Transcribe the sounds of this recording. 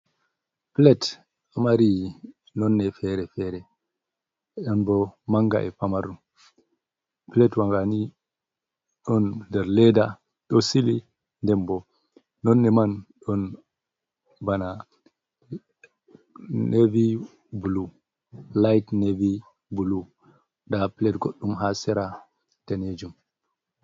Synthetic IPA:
plɛt | ɔmaɾi | nɔnːɛfɛɾɛfɛɾɛ | ɗɔnbɔmaŋɡa̰ʔɛpamaɾu | plɛtwaŋɡani | ɗɔndɛɾlɛda | ɗɔsili | ndɛmbɔ | nɔnːɛmanɗɔn | bana | nevi | bulu | lajtnevi | bulu | dapilɛtɡoɗːumɦasɛɾa | tɛned͡ʒum

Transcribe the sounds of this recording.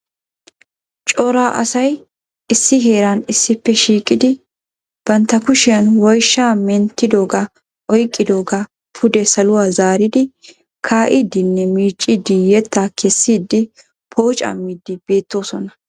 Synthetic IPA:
t͡ʃʼɔɾaːʔɐ̰sɐj | ɪsːɪɦe̞ːɾɐnɪsːɪpːɛʃiːkʼːɪd̪ɪ | b̥ɐnt̪ːɐkʊʃɪjɐnwɔjʃːaːmɛnt̪ːɪd̪o̞ːɡɐ | ʔɔjkʼːɪd̪o̞ːɡɐ | pʰʊd̪ɛsɐlʊwaːzaːɾɪd̪ɪ | kʰaːʔɪd̪ɪnːɛmiːt͡ʃʼːɪd̪ɪjɛt̪ːaːkʰɛsːiːd̪ːɪ | pʰo̞ːt͡ʃʼɐ̰mːiːd̪ːɪb̥e̞ːt̪ːo̞ːsɔnɐ

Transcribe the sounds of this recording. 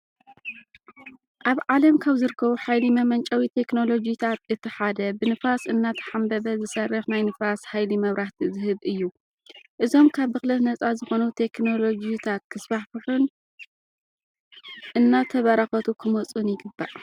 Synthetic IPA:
ʔaβʕalɐmkʰaβzɨɾɨkʰːɐβuħajlimɐmɐnt͡ʃʼawit̪ʰe̞kno̞lo̞d͡ʒit̪ʰat̪ɨt̪ʰːɨħad̪ɐbɨnɨfasʔɨnːat̪ʰɐ̥ħambɐβɐzɨsɐrːɨxnajnɨfashajlimɐβɾaht̪ʰizɨhɨβʔɨjːu | ʔɨzo̞mkʰaβːɨxlɐt̪nɐt͡sʼazɨxo̞nut̪ʰe̞kno̞lo̞d͡ʒit̪ʰat̪̚kʰɨsbaħfɨħun | ʔɨnːat̪ʰɐβɐɾaxɐt̪ʰukʰɨmot͡sʼunjɪɡɨbːa̰ʔ

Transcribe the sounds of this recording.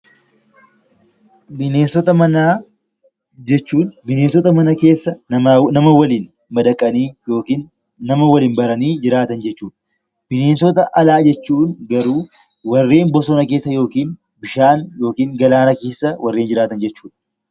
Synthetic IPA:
bɪneːnsɔt̪ɐmɐnaː | d͡ʒɛt͡ʃːuːnbɪneːnsɔt̪ɐmɐnɐke̞ːsːɐnɐmɐwɐliːn | mɐd̪ɐkʼːɐniːjoːkiːnː | ɐmɐwɐliːnbɐɾɐniːd͡ʒɪɾaːt̪ɐnd͡ʒɛt͡ʃːuːᶑɐ̥ | b̥ɪneːnsɔt̪ɐʔɐlaːd͡ʒɛt͡ʃːuːnɡɐɾuː | wɐrːe̞ːnbɔsɔnɐke̞ːsːɐjo̞ːkiːn | bɪʃaːnjo̞ːkiːŋɡɐlaːnɐke̞ːsːɐwʔɐrːe̞ːnd͡ʒɪɾaːt̪ɐnd͡ʒɛt͡ʃːuːᶑɐ

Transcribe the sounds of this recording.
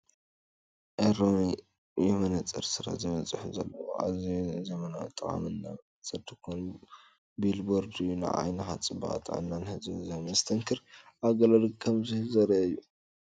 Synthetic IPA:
ʔeɾon | jɛmɐnɐt͡sʼɨɾsɨɾa̰zɨβɐt͡sʼɨħuzɐlːɐwo̰ʔa̰zijnzɐmɐna̰t̪ʼɨχʼa̰mɨnːa̰ | t͡sʼɨɾt̪ʰɨkʰonu | bilboɾd̪ɨjuna̰ʕa̰jnɐxat͡sʼɨba̰ʔt̪ʼʔɨ̰nːanhɨzɨzɐmɐzɨ̥t̪ʰɐŋkʰɨɾʔaɡɐlɐlkʰɐmzɨhzɐɾɐɨjːu

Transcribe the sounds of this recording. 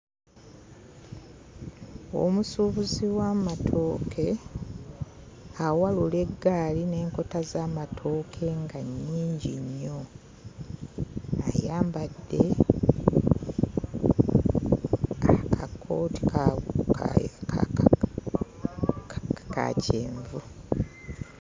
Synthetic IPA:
o̞̰musuːβuziwaːmatʰo̞ːkʰe̞ | awalule̞ɡːaːline̞ːŋko̞tazaːmatʰo̞ːkʰe̞ŋɡaɲːiːɲɟiɲːo̞ | a̰jaːmbadːe̞ | akʰakʰːoti̥k | ka̰cʰḛːɱvu

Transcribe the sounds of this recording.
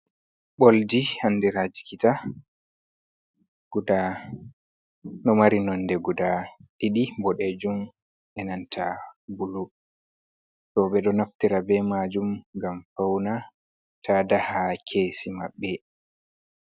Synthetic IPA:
ɓoldihanːdiɾad͡ʒi̥kita | ɡuda | nɔmaɾinɔnːdɛɡudaɗiɗibɔɗɛd͡ʒum | ʔɛnantʰabulu | tɔɓɛɗɔnaftiɾabɛmad͡ʒumɡamfawna | taːdahakʰeːsimaɓːɛ

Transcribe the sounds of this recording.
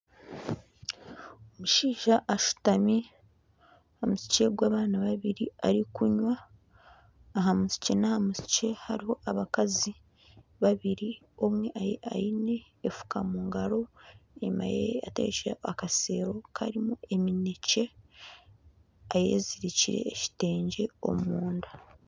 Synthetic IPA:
omuʃiːʒaʔːʃu̥tami | ahamusi̥ce̞ɡwaːβaːnaβaβiɾiaɾikuɲwa | ɦamusi̥ce̞nahamusi̥ce̞haɾiho̞ʔaβakazi | βaβiɾi | o̞mwe̞ʔajeʔajine̞ː | fu̥kamuːŋɡaɾo̞ema̰jḛa̰tḛːʃaakase̞ːɾo̞kʰa̰ɾimue̞minece̞ | aje̞̰ːziɾiciɾe̞̰ːʃi̥te̞ːɲɟe̞o̞̰muːnda

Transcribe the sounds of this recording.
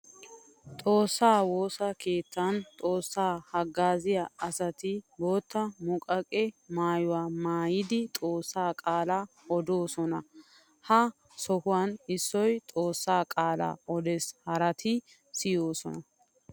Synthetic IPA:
t̪ʼo̞ːsːaːwo̞ːsɐkʰeːt̪ːɐnt̪ʼo̞ːsːaːhɐɡːaːzɪjaɐsɐt̪ɪbo̞ːt̪ːɐmʊkʼɐkʼɛmaːjʊwaːmaːjɪd̪ɪt̪ʼo̞ːsːaːkʼaːla | ɔd̪o̞ːsɔnɐ | hɐ | sɔhʊwɐnɪsːɔjt̪ʼo̞ːsːaːkʼaːla̰ːʔɔd̪ɛshɐɾɐt̪ʰɪ | sɪjoːsɔ̰nɐ

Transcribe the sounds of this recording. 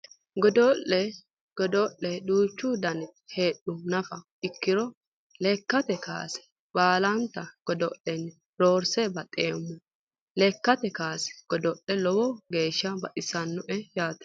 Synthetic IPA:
ɡɔd̪ɔʔːɛ | ɡ̥ɔd̪ɔʔːɛd̪uːt͡ʃːʊd̪ɐnhe̞ːɗʊnɐfɐ | ɪkːɪɾɔ | lɛkːɐt̪ɛka̰ːsɛ̥ | baːlɐnt̪ːɐɡ̥ɔd̪ɔʔːɛnː | ɾoːɾsɛbɐt̪ʼeːmːʊ | lɛkːɐt̪ɛkaːsɛ̥ɡ̥ɔd̪ɔʔɛlɔwɔɡe̞ːʃːɐbɐʔɪsɐnːɔʔɛjaːt̪ɐ̥

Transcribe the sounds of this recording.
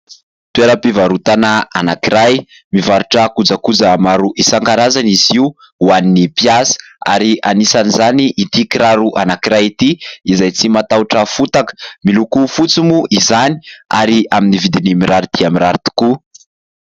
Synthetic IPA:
t̪ueɾəpivaɾut̪anaa̰nakiɾaj | mivaɾuʈ͡ʂəkud͡zakud͡zamaɾuʔisaŋkaɾazaniziu | uaninipiasə̥a̰ɾianisanizaniʔit̪ikiɾaɾuʔanakiɾajit̪iizajt͡simat̪auʈ͡ʂəfut̪akə̥milukufut͡simuizani̥a̰ɾiaminivid̪inimiɾaɾit̪iamiɾaɾit̪u̥ku

